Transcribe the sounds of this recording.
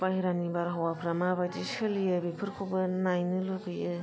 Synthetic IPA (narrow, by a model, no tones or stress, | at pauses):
pajɾanibaɾɦawapʰɾamabad͡ʒisɯlijɯbipʰɯɾkʰobɯnajnɯloɡɯjɯ